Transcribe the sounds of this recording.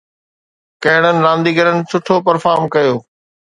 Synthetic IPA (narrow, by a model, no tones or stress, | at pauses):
kɐɦɪɽ̃ənɪ̆ɾãːnd̪iːɡəɾənɪ̆sʊʈʰopɐɾfaːɾmkɐjoː